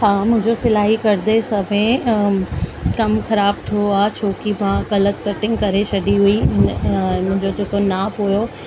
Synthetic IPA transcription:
ɦaːmʊ̃ɦɪ̃ɲd͡ʑosɪlaːɦikɐɾd̪esɐbẽ | kɐmxɐɾaːb̚t̪ʰioaːt͡ɕʰoːkimãɣɐlət̪kɐʈɪ̃ŋɡkɐɾeʃɐɗiɦuiɦɪñːmʊ̃ɦɪ̃ɲd͡ʑod͡ʑeːkonaːfɦʊjo

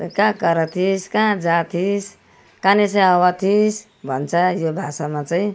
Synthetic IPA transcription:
kãkʌɾʌt̪ʰiskãd͡zat̪ʰis | kanesʌ̃jawat̪ʰis | bʱʌ̰nt͡sʰʌjobʱasamat͡saĩ

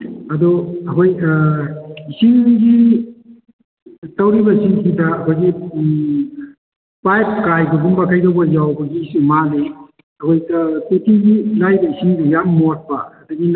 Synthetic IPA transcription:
ɐduɐkoj | isiŋɡi | tawɾibɐisiŋsʰitɐːkʰojɡi | pajp̚kajbɐɡumbɐkʰajdawbɐjawbɐɡisumale | ɐkojtatutʰiɡilajbɐisiŋdɐjamːot̚pɐ̰ːduɡin

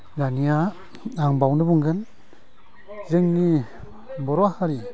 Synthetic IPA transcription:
lanija | aŋbawnɯbuŋɡɯn | zɯŋni | bɔɾwahaɾi

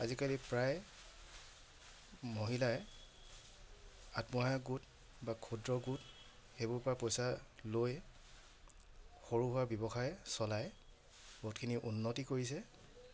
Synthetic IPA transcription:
azikalipɹaj | moɦilaɛ | atmɔajaɡut | bakʰudɹɔɡut | xebʊɹpɹapɔjsaloj | xoɹuɦʊabjɔbɔxʰajɛsɔlaj | bɔtkʰiniʔunːɔtikoɹis̬ɛ

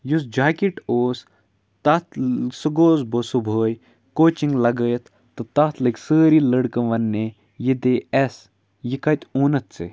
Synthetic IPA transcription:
jusd͡ʒaːkiʈoːs | t̪ɐt̪ʰsəɡoːzbosubʱoːj | koːt͡ʃĩŋɡlɐɡəːjɐt̪ | t̪ːɨt̪ɐt̪ʰlɨkʲsəːɾiləɽkə̃ʋɐnːe | jid̪eɛs | jikɐt̪ʲoːnɐt̪sḛ

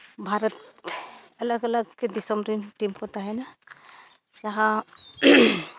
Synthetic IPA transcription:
bʱaɾət̪ | ɐləɡələɡked̪isɔmɾinʈimkɔt̪aɦɛna | d͡ʒaɦã

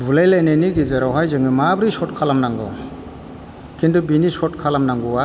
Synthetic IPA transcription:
bʱulajlajneniɡizaɾawɦajzɯŋɯmabɾisɔt̚kʰalamnaŋɡɔ̰ | kʰindubinisɔtkʰalamnaŋɡuwa

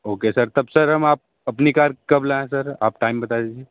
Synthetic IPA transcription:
oːkesɐɾt̪ɐbsəɾɦɐmaːp̚ | ɐpnikaːɾkɐblaẽsəɾa̰ːp̚ʈaːɪmbɐt̪ad̪ed͡ʒie

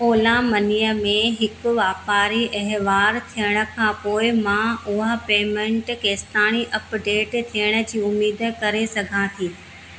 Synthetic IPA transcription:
oːlãmɐniːjəmẽɦɪkʊ̆ʋaːpaːɾiʔɐɦʋaːɾt̪ʰijəɽ̃ə̆kʰãːpoːɪmãʊɦəpeːmẽɳʈkeːst̪aːɽ̃iʔɐpɖeːʈt̪ʰijəɽ̃ə̆d͡ʑiːʊmiːd̪kɐɾesɐɡʱãːt̪ʰiː

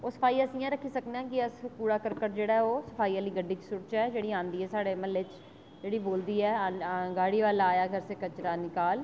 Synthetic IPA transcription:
oːsə̥pʰaːiːəsĩːjãːɾəkʰːiːsəknãːkɪəspuːɽaːkəɾkəɾd͡ʒeːɽaːɦɛoːsəpʰaːiːəliːɡəɖːiːt͡ʃsʊʈt͡ʃɛːd͡ʒeːɽiːãːnd̪iːɛːsaːɽeːməlːɪt͡ʃ | d͡ʒeːɽiːboːld̪iːɛːɡaːɽiːʋaːlaːjaːɡʰʱəɾseːkət͡ʃɾaːnɪkaːl

